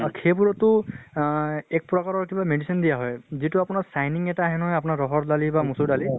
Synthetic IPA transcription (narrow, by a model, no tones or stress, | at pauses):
kʰebuɹɔtʊ | ɛk̚pɹɔkaɹɔɹkibamedisindijaɦɔjzituapʊnaɹsajniŋɛtaːɦɛnɔɦɔjapʊnaɹɔɦɔɹdalibamusuɹdali